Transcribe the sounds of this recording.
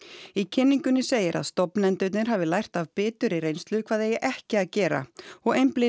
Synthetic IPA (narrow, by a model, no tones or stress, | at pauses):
icʰɪnːiŋkʏnːɪseːjɪɾʔa̰ðst̪ɔpnɛnt̪ʏt̪nɪɾ̥ɦaːvɪlaj̥t̪avpɪːt̪ʏɾiɾejnst̪lʏkʰvaːðejɛʔɛhcɪaðcɛːɾa̰ɔɣejnplɪ